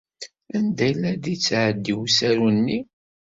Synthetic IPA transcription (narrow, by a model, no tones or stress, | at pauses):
ænd̪æjlæd̪it͡sːʕəd̪ːiwsæɾunːi